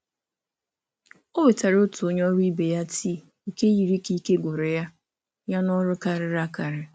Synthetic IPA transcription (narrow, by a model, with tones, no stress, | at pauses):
o˦we˨ta˨ɾo˦tu˨o˦ɲ˦ɔ˦ɾi˦be˨ja˦ti˦˨ | i˦˨ke˦ji˨ɾi˦ki˦ke˦ɡʷʊ˨ɾe˨ja˦ | ja˦nɔ˦ɾʊ˦ka˦ɾɪ˨ɾa˦ka˨ɾɪ˨